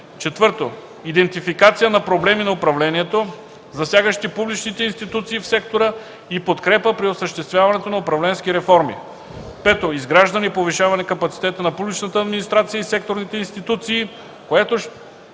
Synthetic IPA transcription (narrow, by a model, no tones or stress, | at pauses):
t͡ʃɛt̪vɤɾt̪o | id̪ɛnt̪ifikat̪sijənɐpɾoblɛminɐʊpɾɐvlɛniɛt̪o | zɐsʲjaɡəʃt̪ipublit͡ʃnit̪ɛinst̪it̪ut̪siːfsɛkt̪oɾə | ipot̪kɾɛpəpɾiosəʃt̪ɛst̪vʲjavɐnɛt̪onɐopɾɐvlɛnskiɾɛfɔɾmḭ | pɛt̪oizɡɾaʒd̪ɐnipoviʃavɐnɛkɐpɐt̪si̥t̪ɛt̪ənɐpublit͡ʃnət̪əːd̪minist̪ɾat̪sijəisɛk̚t̪oɾnit̪ɛinst̪it̪ut̪siː | koɛt̪o